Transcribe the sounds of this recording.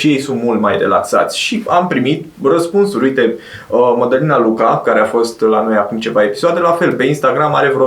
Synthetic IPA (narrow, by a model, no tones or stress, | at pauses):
ʃije̞jsunt̪mult̪majre̞̰la̰ksa̰t̪sʲʃiampɾimit̪rəspunsuɾujt̪e̞ | məd̪əlinalukakaɾeafo̞st̪lano̞jakumt͡ʃe̞vae̞pi̥soad̪e̞lafe̞lpe̞inst̪aɡɾamaɾe̞vɾo